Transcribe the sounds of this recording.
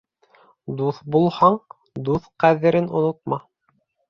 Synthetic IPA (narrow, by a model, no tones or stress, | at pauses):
d̪uθbulˠhɑɴ | d̪uθqæðɘ̆ɾɘnŏnŏt̪̚mɑ